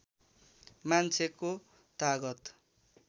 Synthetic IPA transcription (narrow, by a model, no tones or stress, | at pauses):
mant͡sʰeko | t̪aɡʌt̪